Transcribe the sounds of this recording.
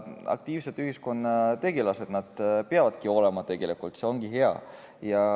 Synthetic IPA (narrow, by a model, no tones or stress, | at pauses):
ɑ̰k̚t̪iːvset̪ːˑyhisko̞nːɑt̪e̞ɡ̥elɑse̞d̪̥nɑd̪̥peɑvɑd̪̥̚kiolemɑt̪e̞ɡ̥e̞likult̪se̞o̞ŋɡ̥iɦeɑ̰ | jɑ